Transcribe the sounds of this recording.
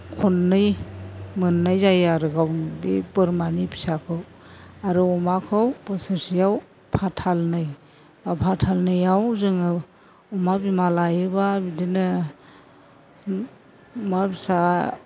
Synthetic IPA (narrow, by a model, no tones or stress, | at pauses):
kʰɔnːɯjmɯnːajzajaɾɯɡawnbepɯɾmanipʰi̥sakʰɯw | aɾuɔmakʰɯwpɯsɯsijaw | pʰatʰalnɯj | apʰatʰalnɯjawzɯŋɯ | ɔmabimalajɯbabidinɯ | mabisa